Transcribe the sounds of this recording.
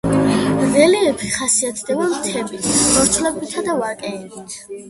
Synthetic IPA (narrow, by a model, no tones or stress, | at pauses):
nɛliɛpʰi̥χasiat̪ʰd̪ɛbamt̪ʰɛbit̪ʰmɔɾt̪ʰlɛbit̪ʰad̪avakʼɛːbit̪ʰ